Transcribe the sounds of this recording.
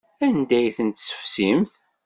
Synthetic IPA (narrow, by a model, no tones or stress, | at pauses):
ænd̪æjθənt̪sə̥fsimθ